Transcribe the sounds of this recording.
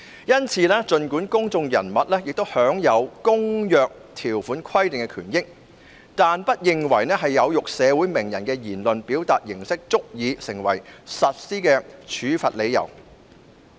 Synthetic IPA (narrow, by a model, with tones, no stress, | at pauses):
jɐ˥nt͡sʰiː˨˧lɛː˥t͡ʃɵ˧nkuː˨˥nkʊ˥ŋt͡sʊ˧ŋjɐ̰˨˩nmɐ˨t̚lɛː˥jɪ˨k̚t̪o˥whœː˨˥ŋjɐ˨˧wkʊ˥ŋjœː˨k̚t̪ʰiː˨˩wfuː˨˥nkʰɐ˥jt̪ɪ˨ŋkɛ˧kʰy̰ː˨˩njɪ˥k̚ | t̪aː˨npɐ˥t̚jɪ˨ŋwɐ˨˩jnɛː˥ɦɐ˨jːɐ˨˧wjʊ˨k̚sɛː˨˧wuː˨˥jmɪ˨˩ŋjɐ˨˩nkɛː˧jiː˨˩nlɵ˨npiː˨˥wt̪aː˨t̚jɪ˨˩ŋsɪ˥k̚t͡sʊ˥k̚jiː˨˧sɪ˨˩ŋwɐ˨˩jsɐ˨t̚siː˥kɛː˧t͡ʃʰyː˨˥fɐ˨t̚le˨˧jɐ̰˨˩w